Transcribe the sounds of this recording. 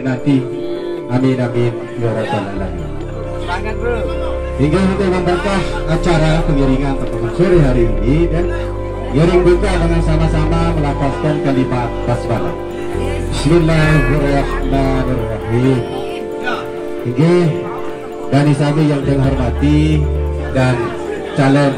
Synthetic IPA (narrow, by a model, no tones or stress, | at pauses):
nant̪i | aminamin | laɾat̪analaɦḭm | siŋɡakit̪umambak̪ah | at͡ʃaɾapəŋiɾiŋanbət̪utusuriɦaɾiːnidan | ŋiɾɪŋbukabaŋansamasamaməlapaskankalimat̪̚kasbana̰t̪̚ | bismilːaɦiɾahmanɪlraɦim | hiŋɡah | danisabijaŋt̪əŋɦɔrmat̪i | dan | t͡ʃalɔn